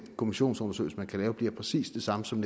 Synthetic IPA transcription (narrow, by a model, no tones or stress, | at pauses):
kʰo̝miɕo̝̰ːnsɔ̽nɐsø̰ɪl̩səmænkʰælɛːʊb̥liɐpʰʁɛsḭːsd̥e̝sɑ̈məsɒ̽md̥